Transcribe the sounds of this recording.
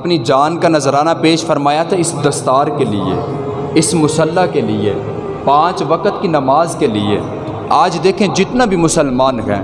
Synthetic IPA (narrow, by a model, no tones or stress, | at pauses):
ɐpnid͡ʒaːnkanəzɾaːnapeːʃfəɾmaːjat̪ʰaɪsd̪əst̪aːɾkelɪ̰ḛ | ɪsmʊsəlːakelɪḛ | pãːt͡ʃʋəkət̪kinəmaːzkelɪ̰ḛː | aːd͡ʒd̪eːkʰẽd͡ʒɪt̪nabʱimʊsəlmaːnɦɛ̰̃ː